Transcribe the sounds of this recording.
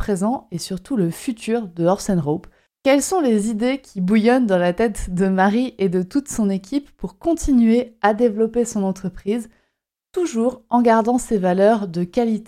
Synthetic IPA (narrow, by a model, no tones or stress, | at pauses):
pχezɑ̃esyʁt̪uləfyt̪ʰyːʁd̪əɔʁsɛnʁop | kʲɛlsɔ̃lezid̪ekʲʰibujɔnd̪ɑ̃lat̪ɛt̪d̪əmaʁiʔed̪ət̪ut̪sɔ̃nekʲipːuʁkɔ̃t̪inɥead̪evlɔpesɔ̃nɑ̃t̪χəpχiz | t̪uʒuʁɑ̃ɡaʁd̪ɑ̃sevalœʁd̪əkʲalit̪e